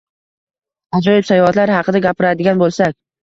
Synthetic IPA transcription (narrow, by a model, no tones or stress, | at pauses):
ad͡ʒɒjɪpsajɒat̪laɾhɑqʰɨd̪aɡʲapʰɪɾad̪ɪɡʲanbolˠsakʲ